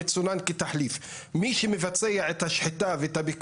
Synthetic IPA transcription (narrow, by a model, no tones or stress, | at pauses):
et͡sunanket̪aħlif | miʃemevat͡sejaet̪haʃħit̪aveet̪habik